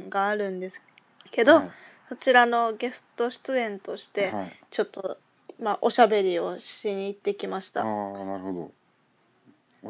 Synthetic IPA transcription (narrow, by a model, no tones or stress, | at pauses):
ɡaːɾɯ̟̃nd̪e̞sɨ̥ | ke̞d̪o̞so̞t͡ɕiɾano̞ɡe̞sɨ̥t̪o̞ɕi̥t̪ɨẽ̞nt̪o̞ɕi̥t̪e̞t͡ɕo̞t̪ːo̞ | maʔo̞ɕabe̞ɾʲio̞ɕiɲ̟iːt̪ːe̞kʲimaɕi̥t̪a̰nahod̪o